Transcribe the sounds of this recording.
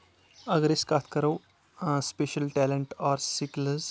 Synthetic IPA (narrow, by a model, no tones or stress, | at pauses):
ɐɡɾeskat̪ʰkəɾəw | speʃəlʈɛleɳʈɔːɾsikləz